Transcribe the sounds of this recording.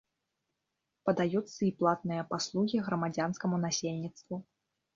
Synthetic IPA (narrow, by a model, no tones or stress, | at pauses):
pɐd̪ajut̪sːɐiplˠat̪nɨjɐpaslˠuɣʲiɣɾɐmad͡zʲanskɐmunasʲelʲnʲit̪st̪vu